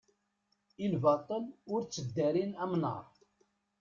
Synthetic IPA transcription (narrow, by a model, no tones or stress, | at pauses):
ilvɑt̪ˤənʊɾt͡sːəd̪ːæɾinæmnə̰ɾˤ